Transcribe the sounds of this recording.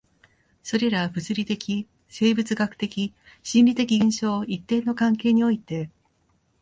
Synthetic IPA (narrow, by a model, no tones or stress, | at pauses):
so̞ɾe̞ɾabɯ̟t͡sɨɾʲit̪e̞kʲi | se̞ːbɯt͡sɨɡakɯ̟̥t̪e̞kʲi | ɕĩnʲɾʲit̪e̞kʲiɡẽɰ̃ɕo̞ːit̪ːẽ̞nːo̞kãŋke̞ːɲ̟io̞it̪e̞